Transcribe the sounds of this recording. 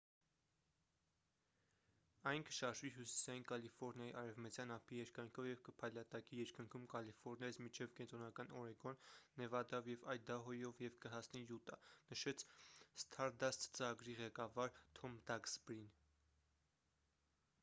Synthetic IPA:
ɑjnkʰə̥ʃɑɾʒviɦusi̥sɑjinkɑlifɔɾnjɑiʔɑɾɛvmət͡sjɑnɑpʰijɛɾkɑjŋkʰɔvjɛvkəpʰɑjlɑt̪ɑkijɛɾkəŋkʰumkɑlifɔɾnjɑzmit͡ʃʰɛvkɛnt̪ɾɔnɑkɑnɔɾɛɡɔnːɛvɑd̪ɑvjɛvɑjd̪ɑɦɔjɔvjɛvkəɦɑsnijut̪ɑnəʃɛt͡sʰst̪ʰɑɾd̪ɑst̪t͡səɑɡɾiʁɛkɑvɑɾt̪ʰɔmd̪ɑɡsbɾin

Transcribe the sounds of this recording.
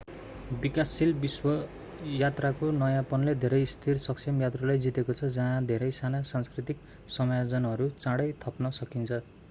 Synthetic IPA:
bikasilbiswʌ | jat̪rakonʌjãpʌnled̪ʱeɾʌjst̪ʰirsʌksʰimjat̪ralajd͡zit̪ekot͡sʰʌd͡zʌ̃ɦãd̪ʱeɾʌjsanasanskrit̪ik | sʌmajod͡zʌnɦʌɾut͡sãɽʌjt̪ʰʌpnʌsʌkint͡sʰʌ

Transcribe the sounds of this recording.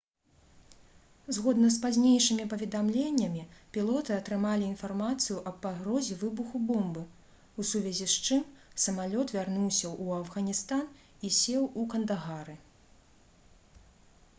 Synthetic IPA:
zɣɔd̪nɐspazʲnʲejʂɨmʲipɐvʲɛd̪amlʲenʲːɐmʲipʲilˠɔt̪ɨɐt̪ɾɨmalʲiːnfarmat̪sɨjuʔɐːaɣɾɔzʲɛvɨbuxubɔmbɨ | usuvʲɛzʲist͡ʂɨmsɐmalʲɔt̪vʲarnuwsʲɐʔuɐvɣɐnʲist̪an | isʲɛwukɐnd̪aɣaɾɨ

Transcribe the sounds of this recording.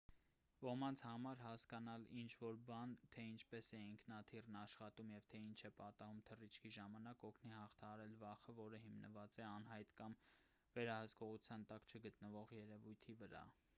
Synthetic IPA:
vɔmɑnt͡sʰhɑmɑɾhɑskɑnɑlint͡ʃʰvɔɾbɑnt̪ʰɛint͡ʃʰpɛsɛiŋkʰnɑt̪ʰirnɑʃχɑt̪umjɛvt̪ʰɛint͡ʃʰɛpɑt̪ɑɦumt̪ʰərit͡ʃʰkʰiʒɑmɑnɑkɔkʰnihɑχt̪ʰɑhɑɾɛlvɑχəvɔɾəɦimnəvɑt͡sɛɑnɦɑjt̪kɑm | vɛɾɑhəskɔʁut͡sʰjɑnt̪ɑkt͡ʃʰəɡət̪nəvɔʁjɛɾɛvujt̪ʰivəɾɑ̰

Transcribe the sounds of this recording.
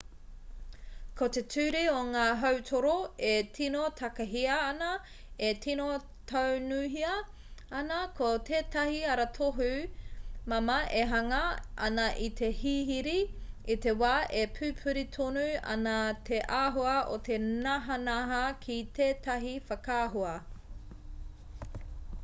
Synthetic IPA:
kʰot̪e̞tʰʉːɾioŋaːɦɐwtʰoɾoetʰinot̪ʰɐkɐɦiɐːnɐ | etino | t̪ʰownuɦiɐ | ɐnɐkʰot̪ʰeːtɐhiɐɾɐtʰoɦʉ | mɐmɐʔeɦɐŋɐʔɐ̰nɐʔit̪ʰe̞hiɦiɾiit̪e̞waːʔepʰʉːpʰʉɾit̪ʰonuɐ̰nɐt̪ʰeʔaːɦoɐʔo̰t̪ʰe̞nɐɦɐnɐɦɐkʰit̪ʰeːtʰɐɦifɐkaːɦoɐ

